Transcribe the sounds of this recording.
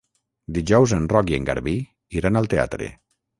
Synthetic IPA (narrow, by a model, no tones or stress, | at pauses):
d̪iʒɔwzenrɔkieŋɡa̰ɾβi | iɾanalˠt̪ea̰t̪ɾḛ